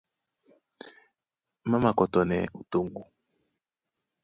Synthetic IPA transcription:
ma˦ma˨kɔ˨tɔ˨nɛ̰˨u˨to˦˨ŋɡu˨

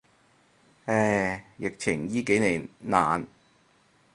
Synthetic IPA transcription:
ɛː˧˩jɪ˨k̚t͡ɕʰɪ˨˩ŋjiː˥ke˨˥jne˨˩naː˨n

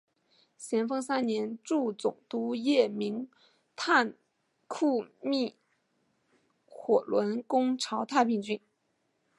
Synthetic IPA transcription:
ɕjɛ˧˥nfɤ˥ŋsa˥nnjɛ˧˥nʈ͡ʂu˥˩t͡sʊ̰˨˩ŋt̪u˧˥jɛ˥˩mi˧˥ŋ | t̪ʰa˥˧n | kʰu˥˧mi˥˩ | xwɔ˨˩lwə˧˥nkʊ˥ŋʈ͡ʂʰɑ˧˥ʊt̪ʰa˥˧pi˥˧ŋt͡ɕy˥˩n

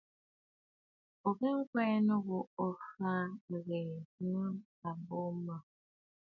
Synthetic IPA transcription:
o˨ke˦ŋ̩˦kwɛ˦no˦ɣu˨o˦˨fa˦˨ɣe˨nu˦n | a˨bo˦ma˨

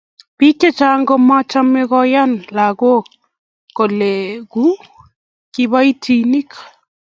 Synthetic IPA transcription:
pi˦ke˦t͡ʃa˦ŋɡo˦ma˦t͡ʃa˦me˦ɣɔ˦ja˦nla˨ɣo˦ | kːo˨le˨ku˦ | ki˦βa˦i˦tʰi˨ni˦k

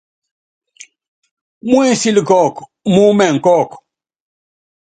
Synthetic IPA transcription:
mũ˦e˦si˦li˨kɔ˦˨k | mu˦mɛ˨ŋ˨kɔ˦˨k

